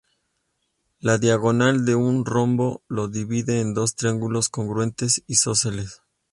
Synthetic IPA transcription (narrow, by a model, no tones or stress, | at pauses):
laðjaɣo̞nald̪e̞unro̞mbo̞lo̞ðiβiðe̞ːnd̪o̞st̪ɾaŋɡulo̞sko̞ŋɡɾwe̞nt̪e̞sisoseles